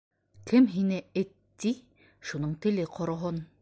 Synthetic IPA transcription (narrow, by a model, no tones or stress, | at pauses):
kʰɘmɦinɘɘt̪ːi | ʃunoɴt̪ɘ̆lɘqʰŏɾŏɦon